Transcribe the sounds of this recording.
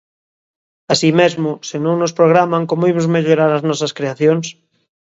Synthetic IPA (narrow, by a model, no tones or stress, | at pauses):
asimezmosenõŋnospɾoɣ̞ɾamaŋkomoimozmeʎoɾaɾaznɔsaskɾeaθjoŋs